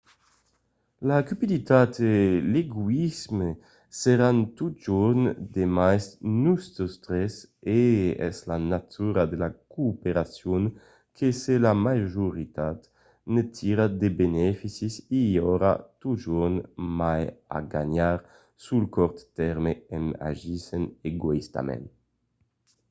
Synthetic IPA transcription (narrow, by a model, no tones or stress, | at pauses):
lakypid̪it̪at̪eleɡwizme | seɾant̪ut̪̚d͡ʒuɾnd̪emajsnust̪ost̪ɾɛseɛ̰slanat̪uɾad̪elakuːpeɾasjun | kʰeselamaʒuɾit̪at̪ | net̪ʰiɾad̪ebenɛfisisiɔɾa̰t̪uʒuɾnmaja̰ɡa̰ɲaɾ | sulkɔɾt̪t̪ɛɾmeɛma̰ʒiseneɡoist̪a̰mɛ̰n